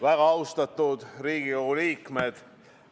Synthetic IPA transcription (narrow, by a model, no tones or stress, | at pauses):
væɡ̥ɑɑwst̪ɑt̪ːˑud̪̥riːɡioɡuliːkmed̪̥